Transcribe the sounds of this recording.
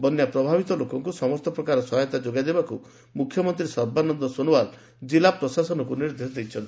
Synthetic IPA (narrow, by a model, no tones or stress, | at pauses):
bɔnjapɾɔbʱabit̪ɔlokɔŋkusɔmɔst̪ɔpɾɔkaɾɔsɔɦɔjɔt̪ad͡ʒoɡad̪ebaku | mukʰjɔmɔnt̪ɾisɔɾbanɔnd̪ɔsonowaɾ | d͡ʒilapɾɔsasɔnɔkuniɾd̪esɔd̪ejt͡ʃʰɔnt̪i